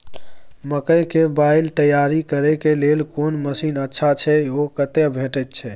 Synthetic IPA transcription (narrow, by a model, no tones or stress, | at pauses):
məkəjkebaɪlt̪əjaɾikəɾekelelkoːnməsiːnətːʃʰat͡ʃʰɛokət̪ebʱẽːʈət̪̚t͡ʃʰɛ